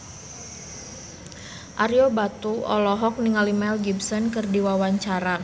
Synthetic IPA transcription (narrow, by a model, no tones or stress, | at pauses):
ʔaɾiobat̪uɔ̰lɔɦɔk̚niŋalimɛlɡibsɔnkɨrdiwawaɲt͡ʃaɾa